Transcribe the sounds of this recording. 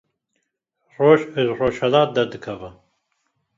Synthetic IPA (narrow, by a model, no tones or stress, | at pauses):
roːʒəroːʃhɛlɑːt̪̚d̪ɐd̪ɨkʰɐvɨ